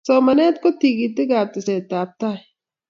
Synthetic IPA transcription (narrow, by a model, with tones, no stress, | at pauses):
soːmɐneː˦t̪̚kot̪i˨ɡit̪ɪ˦ɡaː˨t̪ɪ˨se˨t̪aːp̚t̪a˦